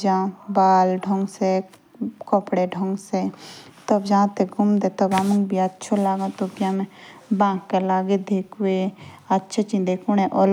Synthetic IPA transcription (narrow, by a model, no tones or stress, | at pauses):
d͡ʒãbaːlɖʱɔ̃ŋɡse | kɔpɽeɖʱɔŋɡset̪ɔbd͡ʒãt̪eɡʱumd̪et̪ɔbamũŋɡbʱiɐtːt͡ʃʰolaːɡãt̪oɡjãːmẽbãːkkːelaːɡed̪ʱekweɐtːʃʰet͡ʃĩnd̪ekuñẽʔɔl